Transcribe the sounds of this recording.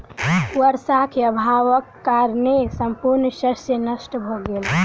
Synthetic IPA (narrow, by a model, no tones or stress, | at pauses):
wəɾsakʰeəbʱaʋəkːaɾnesəmpuɾnʃəsenəsʈəbʱoɡel